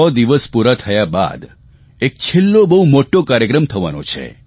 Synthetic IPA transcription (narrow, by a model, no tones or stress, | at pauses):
ɔd̪iʋəspuɾat̪ʰəjaba̰d̪ | ek̚t͡ʃʰelːobəɦumoʈokaɾjəkɾəmt̪ʰəʋa̰nõ̰t͡ʃʰḛ